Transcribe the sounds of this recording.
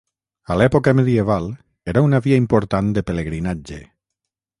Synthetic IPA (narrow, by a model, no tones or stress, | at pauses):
alɛpokameðieβ̞al | eɾaunaβiaimpoɾt̪and̪epeleɣɾinad͡ʒḛ